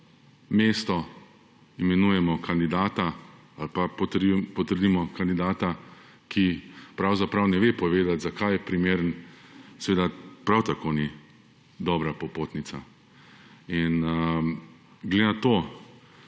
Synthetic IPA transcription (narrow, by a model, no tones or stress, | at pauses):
meːst̪ɔ | imɛnuːjɛmɔkand̪id̪aːt̪a | alpapɔt̪pɔt̪əɾd̪imɔkand̪id̪aːt̪a | kʰipɾawzapɾawnɛʋeːpɔʋeːd̪at̪zakajɛpɾimeːɾənsɛʋeːd̪apɾawt̪akoːni | d̪ɔːbɾapɔpoːt̪nit̪sa̰ | inə | ɡled̪enat̪oː